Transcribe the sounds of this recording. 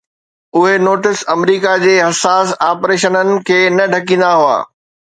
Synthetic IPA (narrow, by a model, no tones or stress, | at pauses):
ʊɦenoːʈɪsɐmɾiːkad͡ʑeːɦɐsaːsaːpɾeːʃənənɪ̆kʰeːnɐɖʱɐkĩːnd̪aɦua̰ː